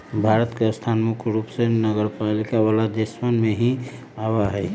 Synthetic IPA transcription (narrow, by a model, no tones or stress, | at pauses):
bʱaɾət̪keəst̪ʰanmʊkʰɾupsenəɡəɾpalikawalad̪esmənmẽɦi | awaɦɛ